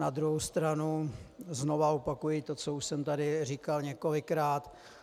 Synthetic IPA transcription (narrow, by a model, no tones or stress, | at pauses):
nad̪ɾuɦowst̪ɾanuzno̞vaopakujɪt̪o̞t͡souʃsɛmt̪adɪriːkalɲɛko̞lɪkɾaːt̪